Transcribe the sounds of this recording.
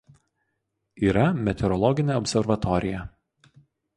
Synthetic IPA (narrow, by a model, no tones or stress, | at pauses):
iːɾɐmʲɛt̪ʲɛɾɔlˠɔɡʲɪnʲeɔpʲsʲɛɾʋɐt̪ɔɾʲɪjɛ